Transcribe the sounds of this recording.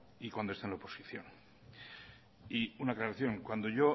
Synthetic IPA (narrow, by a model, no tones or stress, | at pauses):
ikwand̪oest̪enlaoposiθjo̞n | iunaklaɾaθjo̞ŋkwand̪o̞ʝo